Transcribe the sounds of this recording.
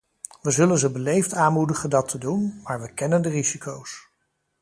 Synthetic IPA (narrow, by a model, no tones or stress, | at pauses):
ʋəzɵlənzəbəlejftaːnmudəχəndɑtʰədunmaːɹʋəkɛnəndərizikʰows